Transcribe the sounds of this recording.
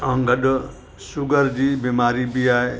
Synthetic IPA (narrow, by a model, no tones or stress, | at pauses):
ʌŋɡʌd | suɡʌɾd͡ʒibemaɾibijae